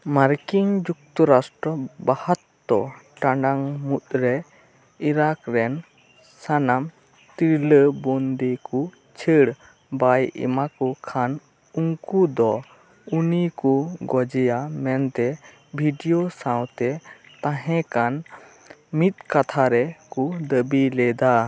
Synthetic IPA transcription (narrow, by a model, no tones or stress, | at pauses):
maɾkiŋd͡ʒuk̚t̪ɔɾasʈɾɔbahat̪ːɔʈaɳɖaŋmut̪̚ɾɛ | iɾakɾɛn | sanam | t̪iɾləbɔnd̪eku | t͡ʃʰəɽ | bajḭmakɔkʰan | uŋkud̪ɔ | unikuɡɔd͡ʒɛjamɛnt̪ɛ | bʱiɖijosãwt̪ɛ | t̪ãɦɛ̃kan | mit̪̚kat̪ʰaɾɛkud̪əbilɛd̪a